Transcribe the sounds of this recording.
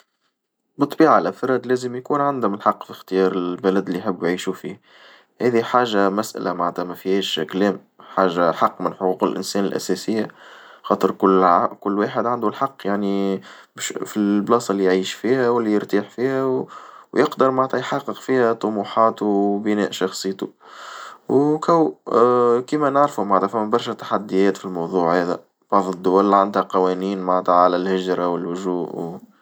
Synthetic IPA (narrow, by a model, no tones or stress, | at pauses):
bɨt̪ˤːbiːʕalʔæfɑɾˤɑd̪læːzəmjkuːnʕand̪hʊmɪnħɑqːfixt̪ɪjɑːɾˤɪbælæd̪lːiħɪbːjʕiːʃufiː | hæːðiħaːʒːamæsʔæ̰lʔamaʕt̪æmæfihɛːʃkælɛːm | ħaːʒaħɑqːmɪnħoquːqɪlʔɪ̰nsɛːnɪlʔæ̰sɛːsɪjːaxɑːt̪ˤəɾˤkʊlkʊlːweːħɪd̪ʕand̪ulħɑqːjaʕni | bʃfiblɑːsˤɑlːijʕiːʃfiːhæwɪlːijəɾt̪iːħfiːhæwwjɪqd̪əɾmaʕt̪ɑjħɑqːəqfiːhæt̪ˤʊmuːħɑːt̪ubɪnɛ̰ːʔʃɑxsˤɨjːt̪u | wkæw | kiːmænaʕɾfumaʕt̪æfæmːæbɑɾˤʃɛt̪ḁħad̪ːɪjɛːt̪filmɑwðˤuːʕhæːðæ̰ | b̥ɑʕðˤəd̪ːʊwælːʕand̪hæqɑwɛːniːnmaʕt̪æʕalælhɪʒɾˤɑwɪlhʊʒuːʔw